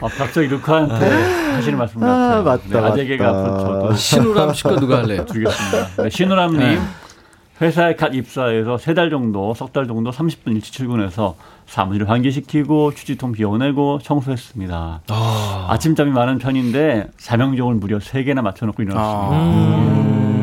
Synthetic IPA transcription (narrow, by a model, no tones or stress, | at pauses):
pakap̚t͡ɕ͈ʌɡiɾukʰaɦantʰehaɕ̬ʰiɾɯɭmaɭs͈ɯmɯanead͡ʑeɡeɡaɯʌt͡ɕʌdoɕʰnoɾamɕʰi̥konuɡaetɯɭɡes͈ɯmɲidaneɕʰinoɾamɲim | ɸwe̞sʰaek͈adip̚s͈aesʰʌsʰe̞daɭd͡ʑʌŋdosʰʌk̚t͈aɭd͡ʑʌŋdosʰamɕʰi̥p̚p͈uniɭt͡ɕʰɯ̥t͡ɕʰiɭɡune̞sʰʌ | sʰa̰muɕiɾɯɭɸwanɡiɕ̬ʰikʰiɡot͡ɕʰud͡ʑitʰoŋpʰiʌne̞ɡoɕʰʌŋsʰoɦe̞s͈ɯmɲida̰ | a̰t͡ɕʰimt͡ɕ͈amimanɯnpʰjʌɲinde̞t͡ɕamjʌŋd͡ʑʌɡɯɭmuɾjʌsʰe̞ɡe̞namat͡ɕʰʌnʌk͈ʰoiɾʌs͈